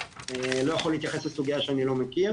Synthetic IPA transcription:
elo̞jaχolːit̪jaχe̞slesuɡijaʃeanilo̞mekiʁ

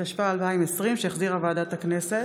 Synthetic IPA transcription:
aʃpaːlvaimesʁimʃeaχziʁavaːdat̪haknese

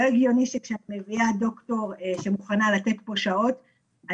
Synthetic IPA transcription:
oeɡjo̞niʃekʃeatme̞viado̞kto̞ʁeʃemuχanalate̞tbo̞ʃao̞t | a

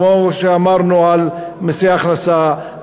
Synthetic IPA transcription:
oʃeamɑɾˤnuʕalmɪsiaxnasa

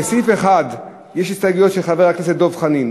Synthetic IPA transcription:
esifeχad | jeʃistaɡujo̞tʃeχaveʁaknas̬edo̞vχanin

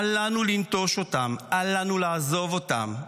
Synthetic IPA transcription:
alanulint̪oʃotamʔalanulaazo̞vota̰m

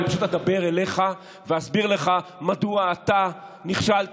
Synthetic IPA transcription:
ipḁʃut̪led̪abe̞ʁele̞χa | veasbiʁleχamad̪uaːt̪a | niχʃalt

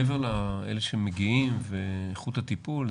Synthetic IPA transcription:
eveʁlaḛleʃemːeɡiimveːχut̪hat̪ipul

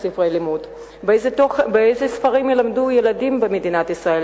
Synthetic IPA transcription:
sifʁejlimud | bezetoχbeejzesfaʁimjelamdujeladimbemed̪inatisʁael

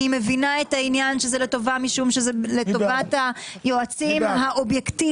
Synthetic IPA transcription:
ime̞vinaethainjanʃezeleto̞vamiʃumʃezelet̪ovatajoat͡simhaʔobjekti

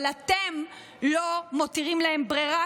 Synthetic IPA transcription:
latem | lo̞motiʁimlae̞mbʁeʁa

